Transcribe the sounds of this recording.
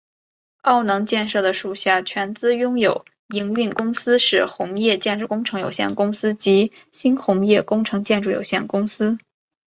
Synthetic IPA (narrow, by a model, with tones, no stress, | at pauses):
ɑ˥˩ʊnɤ˧˥ŋt͡ɕjɛ˥˧nʂɤ˥˩d̪ə˩ʂu˨˩ɕja˥˩t͡ɕʰɥɛ˧˥nt͡sɹ̩˥jʊ˥ŋjo˨˩ʊ | i˧˥ŋy˥˩nkʊ˥ŋsɹ̩˥ʂɻ̩˥˩xʊ˧˥ŋjɛ˥˧t͡ɕjɛ˥˧nʈ͡ʂu˥˩kʊ˥ŋʈ͡ʂʰɤ˧˥ŋjo˨˩ʊɕjɛ̰˥˩nkʊ˥ŋsɹ̩˥t͡ɕi˧˥ | ɕi˥nxʊ˧˥ŋjɛ˥˩kʊ˥ŋʈ͡ʂʰɤ˧˥ŋt͡ɕjɛ˥˧nʈ͡ʂu˥˩jo̰˨˩ʊɕjɛ˥˩nkʊ˥ŋsɹ̩˥